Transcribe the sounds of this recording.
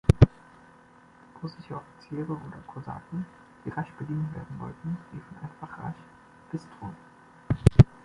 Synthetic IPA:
b̥ʊzɪçəɔfi̥t͡siːʁəʔoːdɐkʰoza̰ːtn̩ | d̥iːʁaʃb̥ədiːnnvḛːɐdn̩vɔ̰ltn̩d̥iːfɔnʔa̰ɪnfaχʁa̰ç | b̥ɪstʁ̥o̰ːn

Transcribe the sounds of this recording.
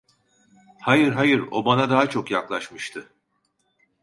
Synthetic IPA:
hajɯɾɦajɯɾo̞̰banad̪aːat͡ʃʰo̞kjaklˠaʃmɯʃt̪ʰɯ

